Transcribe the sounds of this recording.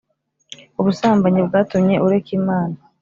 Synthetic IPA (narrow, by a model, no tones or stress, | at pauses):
uβusaːmbaɲibɡaːtumɲe̞ʔuɾe̞kiːmaːna